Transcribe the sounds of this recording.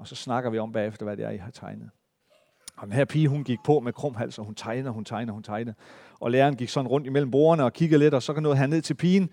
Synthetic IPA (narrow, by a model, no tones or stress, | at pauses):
ɒ̽sɒ̽snɑ̈ɡ̥ɐʋiɒ̽mb̥ɛ̰ːefd̥ɐʋæd̥eɑ̰ihɑ̈t͡sʰɑ̈ɪnəð̩ˠ | ɒd̥enɦæɐ̰pʰiːɦunɡ̥iɡ̥̚pʰɒ̽mekʰʁɔ̽m̰ɦæl̰sɒhunt͡sʰɑ̈ɪnð̩ˠhunt͡sʰɑ̈ɪnəð̩ˠhunt͡sʰɑ̈ɪnð̩ˠ | ʔɒ̽leːɐːnɡ̥iɡ̥sɒ̽d̥n̩ʁɔ̽n̰d̥imel̰m̩b̥o̝̰ːɐnəɒ̽kʰiɡ̥əð̩ˠle̝d̥ɒ̽sɒ̽kʰænɔ̽ːðˠɦæɐne̝ð̞̰ˠt͡sʰe̝lpʰiːn